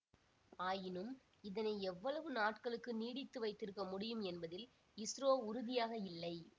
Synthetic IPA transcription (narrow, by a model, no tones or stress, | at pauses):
aːjɪnɯm | ɪðɐnɐɪɛʋːɐɭɐʋɯnaːʈkɐɭɯkːɯniːɽɪt̪ːɯʋɐɪt̪ːɪɾɯkːɐmʊɽɪjɯmɛnbɐðɪl | ɪsɾoːʊɾʊðɪjaːɣɐɪlːɐɪ